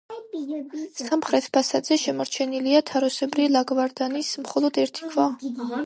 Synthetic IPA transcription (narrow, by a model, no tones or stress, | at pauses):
samχɾɛt̪ʰpʰasad̪z̥ɛʃɛmɔɾt͡ʃʰɛniliat̪ʰaɾɔsɛbɾilˠaɡvaɾd̪anismχɔlˠɔd̪ɛɾt̪ʰi̥kʰva